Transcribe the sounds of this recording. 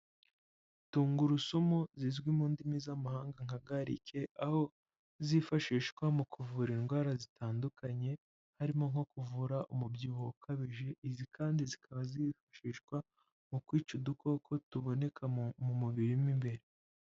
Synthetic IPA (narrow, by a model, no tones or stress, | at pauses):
tuːŋɡuɾusumuzizɡwimuːndimizamahaːŋɡaŋhaɡaɾḭkʰe̞ʔaho̞ | zifaʃiːʃkwamukuvuɾinɡwaːɾazitʰaːndukʰaɲe̞ | haɾimo̞ŋho̞kuvuɾaʔumubjiːβoukaβiʒe̞ʔizikʰaːndizikʰaβazifḁʃiːʃkwa | mukwiːt͡ʃuduko̞kʰo̞tuβo̞ne̞kʰamumuβiɾimimbe̞ɾe